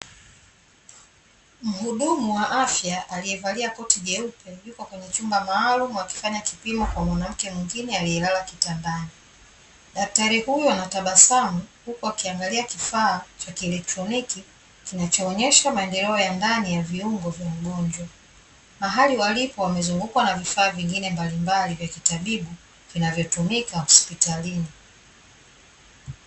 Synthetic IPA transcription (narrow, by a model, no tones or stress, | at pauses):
m̩ɦuɗumuwaʔafjaʔalijɛvaliakɔtiɠɛupʰɛjukɔkwɛɲɛt͡ʃumbamaːlumuwaki̥faɲakipimɔkwamwanam̩kɛmwiŋɡinɛalijɛlalakitandani | ɗak̚taɾihujɔnataɓasamuhukuakiaŋɡaliakifaːt͡ʃakiɛlɛk̚tɾɔniki | kinat͡ʃɔːɲɛʃamaɛndɛlɛɔjandanijaviuŋɡɔvjamuɡɔɲd͡ʒwa | maɦaliwalipɔwamɛzuŋɡukwanavifaːviŋɡinɛmbalimbalivjakitaɓiɓu | vinavjɔtumikahɔspitalini